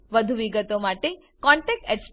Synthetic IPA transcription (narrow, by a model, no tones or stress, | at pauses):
ʋəd̪ʱuʋiɡət̪omaʈe | kɔ̃ɳʈek̚ʈɛʈs